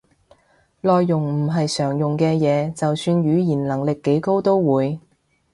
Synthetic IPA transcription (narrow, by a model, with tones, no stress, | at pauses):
lɔː˨jːʊ˨ŋm̩˨˩ɦɐ˨jsœː˨˩ŋjʊ˨ŋkɛː˧jɛː˨˧t͡sɐ˨wsyː˧njyː˨˧jiː˨˩nlɐ˨˩ŋlɪ˨kːe˨˥jko˥wt̪o˥wwuː˨˧j